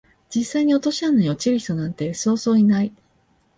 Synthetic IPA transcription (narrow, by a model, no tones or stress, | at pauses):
d͡ʑisːaiɲ̟io̞t̪oɕianːaiot͡ɕiɾɯ̟çʲi̥t̪o̞nãnt̪e̞so̞ːzo̞ːinai